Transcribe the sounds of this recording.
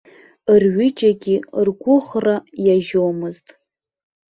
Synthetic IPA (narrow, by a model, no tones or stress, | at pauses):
ɨrɥʏt͡ʃʼaɡʲirɡʷʊχrajaʒowmɨztʼ